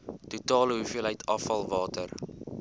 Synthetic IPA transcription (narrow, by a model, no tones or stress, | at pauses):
tutɑːləɦufiəlɦɛjtʰɐfɐlˠvɑːtər